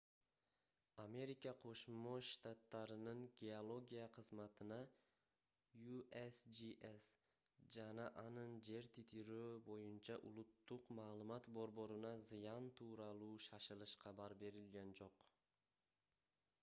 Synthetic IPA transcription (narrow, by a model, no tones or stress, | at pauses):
ame̞ɾikɑqʰo̞ʃmoʃt̪at̪ːɑɾɯnɯŋɡʲeolˠo̞ɡʲijɑqʰɯzmɑt̪ɯnɑ | juesd͡ʒiʔes | d͡ʒɑnɑʔɑnɯnd͡ʒe̞ɾt̪ʰit̪ʰiɾøbo̞junt͡ʃʰɑʔulˠut̪ːuqmɑːlˠumɑt̪bo̞ɾbo̞ɾunɑzɨjɑnt̪ʰuːɾɑlˠuːʃɑʃɯlˠɯʃqʰɑbɑɾbe̞ɾilɡʲænd͡ʒo̞q